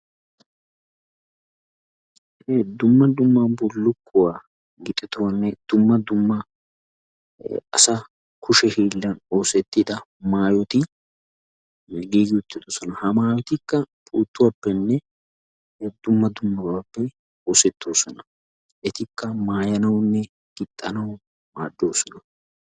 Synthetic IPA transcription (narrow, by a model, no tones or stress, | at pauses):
d̪ʊmːɐd̪ʊmːɐbɔlːʊkːʊwaː | ɡɪt̪ʼɛt̪ʊwɐnːɛd̪̥ʊmːɐd̪ʊmːɐ | ʔɐsɐ | kʰʊʃɛhiːlːɐno̞ːsɛt̪ːɪd̪ɐ | maːjɔt̪ɪ | ɡiːɡɪwʊt̪ːɪd̪oːsɔnɐhɐmaːjɔt̪ɪkːɐpʼuːt̪ːʊwaːpːɛnːɛ | d̪ʊmːɐd̪ʊmːɐwaːpːɛ | oːsɛt̪ːo̞ːsɔnɐ | ʔɛt̪ɪkːɐmaːjɐnɐwnːɛ | ɡ̥ɪt̪ʼːɐnɐw | ma̰ːd̪ːo̞ːsɔnɐ